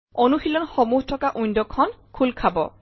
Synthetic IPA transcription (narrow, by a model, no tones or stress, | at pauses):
ɔnuxilɔnxɔmuhtʰɔkaʔujndɔkʰɔnkʰulkʰabɔ̰